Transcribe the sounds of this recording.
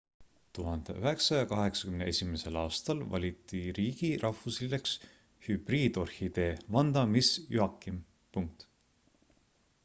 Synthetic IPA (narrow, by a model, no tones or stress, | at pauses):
t̪uɦɑnd̪̥ḛʔyɦe̞ksɑjɑkɑɦe̞ksɑ̥kymnee̞sʲime̞se̞lɑːst̪ɑlvɑ̰lʲit̪ːˑiɾiːɡ̥iɾʔɑhfusileks | hyb̥riːd̪̥o̞rhid̪e̞ːvɑnd̪̥ɑmisjyɑkːˑim | puŋk̚t̪